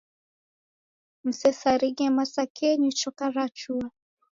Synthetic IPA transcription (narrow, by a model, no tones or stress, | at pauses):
m̩sɛsaɾiɡɛmasakɛɲit͡ʃɔkaɾat͡ʃua